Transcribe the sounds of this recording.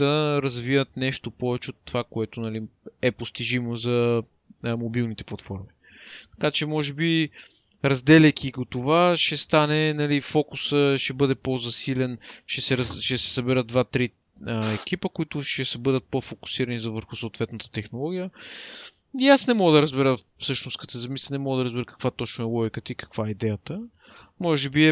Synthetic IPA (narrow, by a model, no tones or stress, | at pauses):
ɐɾɐzvivət̪nɛʃt̪opɔvɛt͡ʃɛot̪ːovakoɛt̪ʊnɐliɛpost̪iʒimozɐ | mobilˠnit̪ɛplˠɐt̪fɔɾmi | t̪ɐ̥kat͡ʃɛmɔʒɛbi | ɾɐzd̪ɛlʲɐjkʲiɡot̪ovaʃɛst̪anɛnɐlifɔkʊsəʃɛbɤd̪ɛpozɐsilɛnʃɛsɛɾʃɛsɛ̥sɐbɛɾəd̪̚d̪vat̪ɾi | əɛk̟ipəkoit̪ʊʃɛsɐbɤd̪ət̪̚pofokʊ̥siɾɐnizɐvəɾxʊsoːt̪vɛt̪nət̪ə̥t̪ɛxnolˠɔɡʲijə | iasnɛmɔɡəd̪ɐɾɐzbɛɾə | fsɤʃnʊst̪kɐt̪ɛzɐmisənɛmɔɡəd̪ɐɾəzbɛɾəkɐ̥kvat̪ɔt͡ʃnʊɛlˠɔjkət̪iikɐ̥kvaɛid̪ɛjət̪ə | mɔʒɛbiɛ